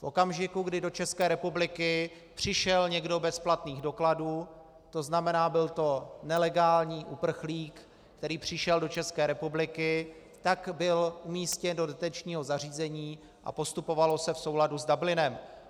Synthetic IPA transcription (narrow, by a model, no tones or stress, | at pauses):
fʔo̞̰kamʒɪkuɡdɪdo̞t͡ʃɛskɛːɾɛpublɪkɪ | pr̝̥ɪʃɛlɲɛɡdo̞bɛsplat̪niːɣdo̞kladuː | t̪o̞znamɛnaːbɪlt̪o̞nɛlɛɡaːlɲiːʔupr̩xliːk | kt̪ɛɾiːpr̝̥ɪʃɛldo̞t͡ʃɛskɛːɾɛpublɪkɪ | t̪akbɪlʔumiːscɛndo̞dɛt̪ɛt͡ʃɲiːɦo̞zar̝iːzɛɲiː | ʔa̰po̞st̪upo̞valo̞sɛfsowladuzdablɪnɛm